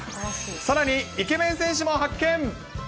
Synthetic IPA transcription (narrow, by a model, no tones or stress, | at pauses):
saɾaɲiike̞mẽ̞ɰ̃sẽ̞ɰ̃ɕ̬imo̞ɦakːẽ̞ŋ